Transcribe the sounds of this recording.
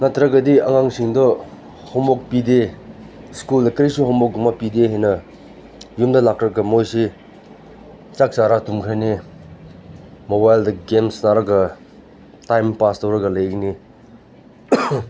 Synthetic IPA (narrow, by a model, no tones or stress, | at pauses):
nɐtʰɾɐɡɐdiɐŋaŋsiŋdɔ | hɔŋbok̚pide | skuldɐkɐɾisuhɔmbok̚ɡumapideɦajnɐ | jumdɐlakɾɐɡɐmojsi | t͡ʃak̚saɾatumkʰane | mobajldɐɡemsnaɾɐɡɐ | tajmpastɐwɾɐɡɐlɐjɡni